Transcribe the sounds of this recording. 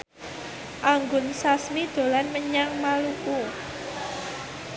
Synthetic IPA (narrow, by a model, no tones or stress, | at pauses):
ʔaŋɡʊnsasmid̪̥o̤lanməɲaŋmaluku